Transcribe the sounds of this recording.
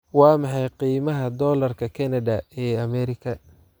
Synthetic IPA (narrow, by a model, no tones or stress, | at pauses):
wɑːmɑħɑjqiːmɐɦɐd̪ɔːlɐrkʰɐkʰɐnɐdɐɛːɐmɛɾɪkʰɐ